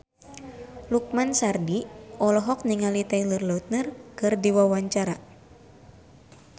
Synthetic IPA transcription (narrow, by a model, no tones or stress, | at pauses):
luk̚mansardiʔɔlɔɦɔk̚niŋalit̪ɛilɨrlaut̪̚nɨrkɨrdiwawaɲt͡ʃaɾa